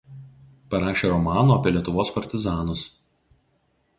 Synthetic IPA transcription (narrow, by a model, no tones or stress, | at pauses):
pɐɾɑːʃʲeːɾɔmɑːnoːɐpʲiɛlʲiɛt̪ʊʋoːspɐɾʲt̪ʲɪzɑːnʊs